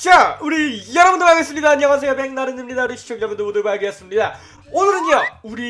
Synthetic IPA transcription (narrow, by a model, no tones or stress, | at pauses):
t͡ɕauɾijʌɾʌbɯndɯɾaɡes͈ɯmɲidaɲʌŋwas̬ʰejopeŋnaɾɯnɯmɲidauɾiɕʰi̥t͡ɕʰoŋd͡ʑʌbundobondɯbaɭɡʌs͈ɯmɲida | onɯɾɯnʌuɾi